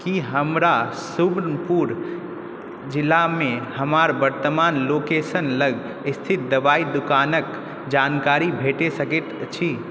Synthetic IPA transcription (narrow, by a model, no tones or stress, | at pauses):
kiɦəmɾasubnpuɾ | d͡ʒilːamehəmaɾbəɾt̪əmanlokesənləɡ | ist̪ʰit̪̚d̪əbaid̪ukanək | d͡ʒankaɾibʱeʈesəket̪t͡ʃʰi